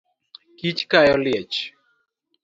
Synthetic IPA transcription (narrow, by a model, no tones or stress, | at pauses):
kit͡ʃkajɔljɛt͡ʃ